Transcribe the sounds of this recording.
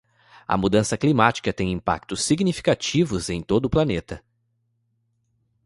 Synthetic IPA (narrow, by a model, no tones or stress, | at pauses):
ɐ̰mud̪ɐ̃sɐklimat͡ʃi̥kɐt̪ẽj̃ĩmpa̰k̚t̪ʊsːiɡnifi̥kat͡ʃivʊzẽj̃t̪od̪ʊːplɐnet̪ɐ